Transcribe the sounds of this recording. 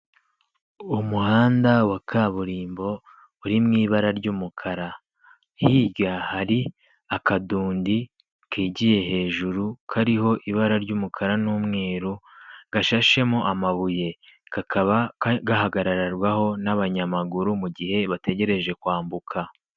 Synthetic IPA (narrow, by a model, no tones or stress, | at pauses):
umuhaːndawakʰaβuɾiːmbo̞ | uɾimŋiːβaɾaɾɟuːmukʰaɾa | hiːɡahaɾi | akaduːndi | kiːɟije̞ɦe̞ːʒuɾukʰaɾiɦo̞ʔiβaɾaɾɟuːmukʰaɾanuːmŋe̞ːɾuɡ̥aʃaʃe̞moʔamaβuje̞ɡ̥akʰaβaɡaɦaɡaɾaɾaɾɡwaho̞naβaɲamaɡuɾumuɟihe̞βate̞ɟe̞ɾe̞ʒe̞kwaːmbukʰa